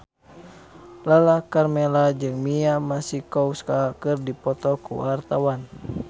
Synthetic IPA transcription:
lalakarmɛlad͡ʒɨŋmiamasihkɔuskakɨrdipɔt̪ɔkṵwart̪awan

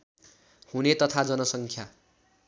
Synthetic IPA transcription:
hunet̪ʌt̪ʰad͡zʌnʌsʌŋkʰja

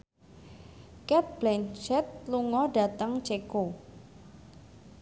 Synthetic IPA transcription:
kɛt̪̚b̥lɛnt͡ʃɛt̪̚luŋɔɖa̤t̪əŋt͡ʃeko

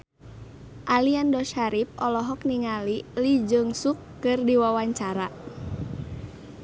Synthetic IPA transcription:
ʔaliandɔʃaɾip̚ɔlɔɦɔk̚niŋalilid͡ʒɨŋsukːɨrdiwawaɲt͡ʃaɾa

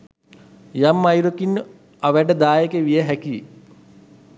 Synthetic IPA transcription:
jamːajɾokin | aʋæʈəd̪aːjekeʋijəɦæki

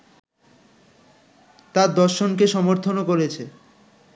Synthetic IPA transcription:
t̪aɾd̪ɔɾʃonkeʃɔmoɾt̪ʰonokoɾet͡ɕʰe

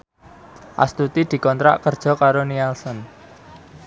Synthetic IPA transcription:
ʔa̰st̪ut̪id̪̥i̤kɔnt̪ɾa̰ʔkərd̥ʒ̥ɔ̤kaɾoniɛlsɔn

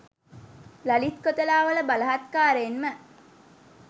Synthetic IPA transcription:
lɐlit̪kot̪əlaːʋələbalɐɦat̪kaːɾeːnmə

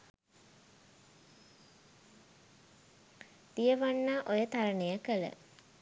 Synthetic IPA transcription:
d̪̥ijəʋanːaʔojət̪aɾənejəkələ̰

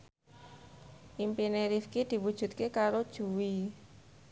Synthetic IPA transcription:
ʔimpineɾifkid̪̥i̤wud̥ʒ̥ṳt̪̚kekaɾod̥ʒ̥ṳwi

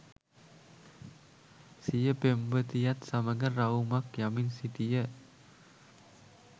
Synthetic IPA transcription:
sijəbɛmbət̪ijat̪̚saməŋərraumak̚jamɪnsit̪ijə

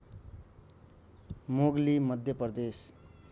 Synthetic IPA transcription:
moɡlimʌd̪ʱjʌpʌrd̪es

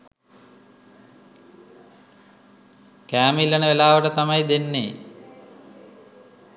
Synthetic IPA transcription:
kæːmilːənəʋelaːʋəʈət̪amajd̪enːḛː

